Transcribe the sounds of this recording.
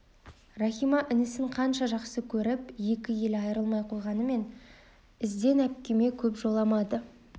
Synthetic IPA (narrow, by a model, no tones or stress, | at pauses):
rɑχʲijmɑʔɪnɪsɪɴqʰɑnʃɑʒɑqsəkʲʰɵɾɪpje̞kʲɪje̞lɑjəɾəlˠmɑjqʰo̞jʁɑnəme̞n | ɪzd̪e̞næp̚kʲe̞me̞kʲʰɵpʒo̞lˠɑmɑd̪ə